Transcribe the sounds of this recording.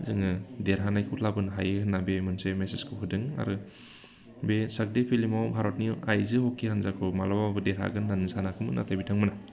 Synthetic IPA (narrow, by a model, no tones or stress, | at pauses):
zɯŋɯdeɾɦanajkʰutʰlabɯnɦa̰jɯhɯnːabemɯnsemeseskʰɯpʰɯdɯŋa̰ɾɯ | besak̚depʰilimawbʱaɾɔt̚niajzɯhɔkʰːihanzakʰɯmalababɯdeɾɦa̰ɡɯnːanɯsanakʰɯmɯnʔa̰tʰabitʰaŋmɯna